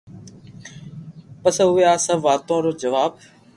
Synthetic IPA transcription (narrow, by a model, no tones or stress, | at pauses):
pəsɦʊjaːsəbʋaːt̪õːɾoːd͡ʒəʋaːb